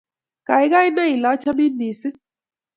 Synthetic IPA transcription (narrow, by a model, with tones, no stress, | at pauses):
ka˨i˦ka˦i˦na˦i˨la˨˦t͡ʃa˦mi˦ni˨si˦